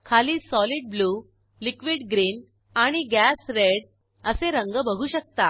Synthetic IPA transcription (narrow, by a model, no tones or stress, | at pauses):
kʰaliːsɔliːɖ̚bluː | likʋiːɽɡɾiːn | aɽ̃iɡæsɾeɽ | əseɾəŋɡəbəɡʱuːɕək̚t̪a